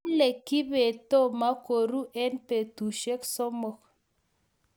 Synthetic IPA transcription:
nle˨ki˦be˨to˦˨ma˦ko˨ɾu˦ʔɛ˦npe˨tu˨ʃe˦kso˦mo˨k

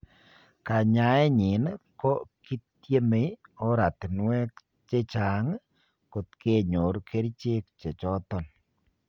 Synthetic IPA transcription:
ka˨ɲa˨˦ɛ˦ɲɪ˨nkɔ˦ki˦t | je˦me˦ɔ˦ɾa˨t̪nwɛ˦k | t͡ʃe˦t͡ʃa˨ŋ | ko˨t̪ke˦˨ɲo˨ɾkʰe˦ɾi˦t͡ʃe˦kt͡ʃe˨t͡ʃɔ˦t̪ɔ˦˨n

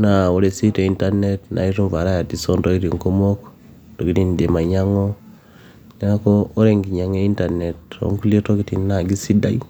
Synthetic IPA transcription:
na˨o˨ɾe˨si˦te˨i˦nta˦ne˦tnʔa̰˨i˦ɾu˦ɱva˨ɾa˦ja˨ti˨so˦ndo˦i˦ɾi˨ŋko˦mo˦k | to˨ki˦ti˦n˨de˨ma˨ɲa˦ŋo˦ | ne˦ɾa˦koː˦ɾe˨ŋɡi˨ɲa˨ŋe˦i˦nta˨ne˨to̰˨˦ŋ˦ku˦li˦e˦to˦ki˦ti˨na˨ɡi˦si˦da˦i˦

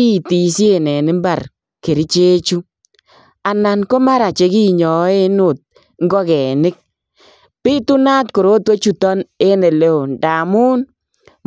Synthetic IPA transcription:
i˦˨ti˨sje˨nɛ˨nɪ˦mba˨r | ke˨ɾi˦t͡ʃe˦t͡ʃu˦ | a˨na˨nko˦ma˦ɾa˨t͡ʃe˨ki˦ɲɔ˨˦e˦no˦˨t̚ | ŋɡɔ˦kɛ˨nɪ˦k̚ | pi˦tu˦na˦tko˨ɾo˦twe˦t͡ʃu˦tɔ˦ne˦ne˨le˦o˨nda˨mu˦n

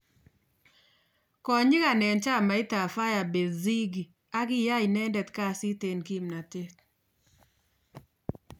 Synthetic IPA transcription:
kɔ˨ɲɪ˦ka˨nɛ˨nt͡ʃa˦˨ma˨ɪ˦ta˨fa˦ja˨be˨zi˦ɡi˨ | a˦ɡɪ˦ja˦i˨nɛ˦ndɛ˨t̪ka˦˨sɪ˦te˨nki˦mna˨te˦t

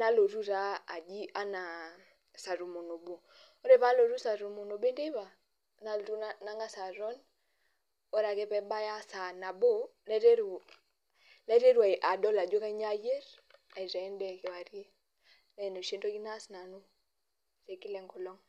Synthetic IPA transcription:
na˦lo˨ɾu˦ɾaː˦˨d͡ʒi˦ʔa˦na˨ | sa˨ɾu˨mo˨no˨bo˨ | o˦ɾe˦βa˦lo˨ɾu˦sa˨ɾu˨mo˨no˨ɓe˦nde˦βa˨ | na˦lɾu˦na˦ŋɡa˦sa˨ɾɔ˦n | ɔ˦ɾa˨kɛ˦pɛ˨ɓa˦ja˦sa˨na˨bo˦lɛ˦ɾe˦ɾu˨ | lɛ˦ɾe˦ɾu˨a˨i˨ʔa˨dɔ˦la˨d͡ʒo˦ka˦i˦ɲa˦je˦ɾ | a˨i˨ɾa˨ɛ˦ndɛ˦˨ke˨wa˨ɾi˦ | na˦i˨no˨ʃe˦ndo˦ki˦na˦sna˨nu˦ | re˨ki˦lɛ˨ŋɡɔ˨lɔ˦ŋ

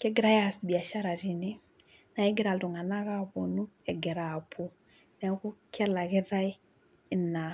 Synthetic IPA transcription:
kɛ˦ɡɪ˦ɾa˦ja˦sbi˨a˨ʃa˦ɾa˨ɾi˨ni˦ | na˨ɛ˦ɡɪ˦ɾa˨ltu˨ŋa˨na˦ka˦po˨nu˦ɛ˨ɡɛ˨ɾa˨pʰu˦ | nɛ˨ku˦kɛ˦la˨kɛ˦ɾa˦j | na˨

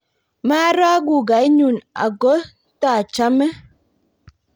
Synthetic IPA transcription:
ma˦ɾa˦ɡu˨ɡa˨˦i˦ɲu˨na̰˨ɡo˦ | ta˦˨t͡ʃa˦mɛ˦

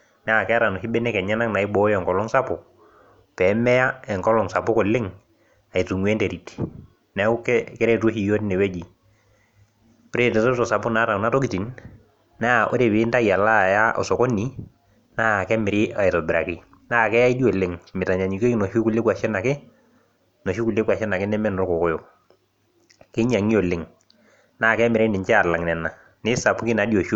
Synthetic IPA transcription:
naː˦˨kɛ˦a˦ɾa˨nɔ˨hi˦bɛ˦nɛ˦kɛ˨ɲa˦na˦kna˨ɪ˦bɔ˨˦jɔ˨ŋkɔ˨lɔ˦ŋsa˦pʊ˨ | pɛ˨˦mɛ˦ja˦ɛ˨ŋkɔ˦lɔ˨ŋsa˨pɔ˦kɔ˨lːɪ˦ŋ | a˨i˨tu˨ŋwe˦nte˨ɾi˨ti̥ | nɛ˨ʊ˦kɛkɛ˦ɾɛ˦to˦hi˨jo˦n˦nɛ˨we˦d͡ʒi˨ | pɾe˦˨tɛ˨tɔ˦tɔ˨sa˨pʊ˦na˨˦ta˨na˦tɔ˦ki˨ti˨n | na˦˨ʔo̰˦ɾe˨bɪ˦nta˦ja˨la˦˨ja˦ʔɔ̰˨sɔ˨kɔ˦ni˨ | na˦˨kɛ˦mɪ˨ɾɪ˦a˨ɛ˨tɔ˨bɪ˨ɾa˨kɪ˦ | naː˦˨kɛ˦a˦i˦di˦o˨le˦˨ŋmɪ˨ta˨ɲa˨ɲi˨ke˦knɔ˨ʃu˦ku˦le˦kwa˨ʃɛ˦na˨kɪ˦ | nɔ˨ʃu˦ku˨le˦kwa˨ʃɛ˦na˨kɪ˦nɛ˦mɛ˦nɔ˦ɾkɔ˨kɔ˦jɔ˨k̚ | kɪ˦ɲa˨ŋi˦ɔ˨lɪ˨˦ŋ | naː˦˨kɛ˦mɪ˨ɾɛ˦nɪ˨ɲt͡ʃɛ˦a˨la˨ŋnɛ˨na˨ | nɪ˦sa˨pʊ˦kɪ˦na˨˦di˦o˨ʃu˦

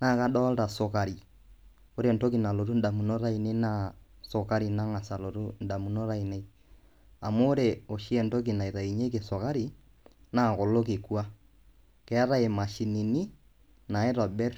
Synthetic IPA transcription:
na˦˨ka˦ɗɔ˦lta˨so˨ka˨ɾi˨ | o˦ɾe˨nto˦ki˨na˨lo˨ɾu˦n̩˦da˨mu˨no˦ɾa˦i˨ne˦na˦ | so˨ka˦ɾi˨na˦ŋa˨sa˨lo˨ɾu˦n̩˨da˨mu˨no˦ɾa˦i˨ne˦i˦ | a˨moː˦ɾe˨o˨ʃi˦ɛ˨nto˦k̬i˨na˨i˨ɾa˨i˨ɲe˦ke˨so˨ka˦ɾi˨ | na˦˨ko˨lo˦ke˨ku˦a˦ | kɛ˨a˦ɾa˦e˨ma˨ʃi˨ni˨ni˦ | na˨e˦ɾɔ˨bɛ˦r

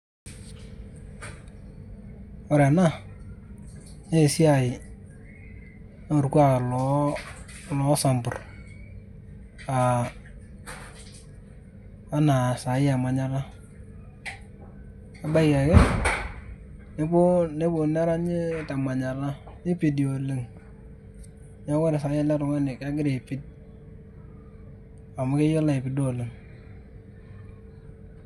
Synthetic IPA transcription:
ɔ˨ɾa˨na˦˨ | ne˦˨si˦a˨ɪ˨ | n˦o˨rkwa˦˨ka˨lɔ˨˦ | lɔ˨˦sa˨mbʊ̰˨r | a˨˦ | na˨sa˨ɪ˦a˨ma˨ɲa˨la˦ | a˨ba˦ika˨ke˦ | ne˦bo˦ne˦bo˨na˦ɾa˦ɲɪ˦ta˨ma˨ɲa˨la˦ɲɪ˦pi˨di˨o˨le˨ŋ | ɲa˦wa˦ɾe˨sa˨ja˦la˦ɾʊ˨ŋa˦nɪ˨ka˦ɡɪ˦ɾe˨pi˦t̚ | a˨mʊ˦ke˦jɔ˦la˦e˨pi˦do˦˨le˨ŋ

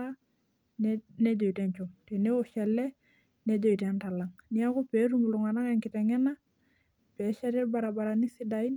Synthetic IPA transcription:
a˦ | nɛ˦d͡ʒo˨i˨tɛ˦ɲt͡ʃu˨ŋte˨ne˦wɔ˦ʃɛ˨lɛ˦ | nɛ˦d͡ʒo˨i˨tɛ˦nta˨la˨ŋni˦a˦ku˦pɛ˨˦ɾu˦mu˨lu˨ŋa˨na˦ŋɛ˨ŋkɪ˨tɛ˨ŋɛ˦na˦ | pɛ˨˦ʃɛ˦ɾɛ˦ɾba˨ɾa˨ba˨ɾa˨ni˦sɪ˦da˨i˦n

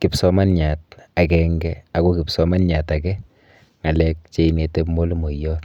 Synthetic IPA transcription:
ki˨psɔma˦nɲa˨t̚a˨kɛŋɡɛa˦kɔ˦ki˨psɔ˦ma˦nɲa˨ta˨kɛ˦ | ŋa˨lɛ˦k̚t͡ʃe˦inete˦pmo˦lmo˨jɔ˦t

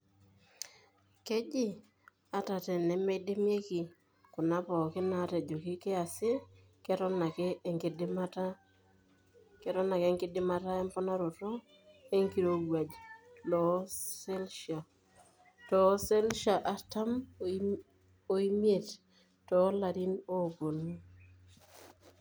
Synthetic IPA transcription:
ke˦d͡ʒɪ˦˨ | a˨ta˨tɛ˨nɛ˨mɛ˦de˦mje˦ki˨ | kʊ˨na˦pɔ˨kɪ˦na˨˦tɛ˨d͡ʒo˨kɪ˦kɪ˦a˨sɪ˦ | kɛ˦ɾɔ˦na˨kɛ˦˨ŋkdmata˦ | kɛ˦ɾɔ˦na˨ke˦ŋkɪ˦dɪ˦ma˦ta˦ɛ˦mpɔ˦na˦ɾo˨tɔ˦ | e˦ŋki˨ɾo˦ɡwa˨d͡ʒlɔ˨˦sɛ˦lʃa˨ | tɔ˨˦sɛ˦lʃa˨ʔa˨ta˦m | o˨˦i˦mje˨t | tɔ˨˦la˨ɾi˦no˦˨bo˨nu˦

